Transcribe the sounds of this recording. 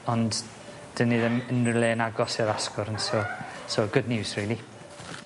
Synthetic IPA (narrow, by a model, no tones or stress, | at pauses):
ɔnd | d̥ənːiðɛmənrɪlˠenaɡɔsɪɾaskɔɾənsɔsɔɡʊdnɪwsriːlˠi